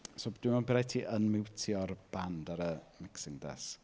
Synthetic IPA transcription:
sobd̥wmanbɪɾajtʰiːʔənmɪwtʰiɔrb̥andaɾəmɪksɪŋdɛ̰s

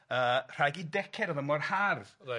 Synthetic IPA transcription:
ər̥ajɡidɛkʰɛɾɔðəmɔrharð̥

